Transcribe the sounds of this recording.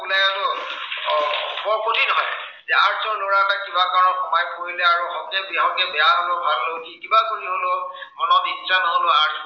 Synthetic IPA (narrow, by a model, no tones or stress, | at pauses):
blɛaɹʊ | mɔɹpotinɔɦɔ̰j | zɛaɹzɔɹloɹamakibakaɹnɔxɔmajkoɹilɛaɹuɦɔkɛbɦɔ̃kɛbɛjaɦolɔbʱallokikibakoɹiɦolʊmɔnɔtitːsanɔɦolʊ̃aɹz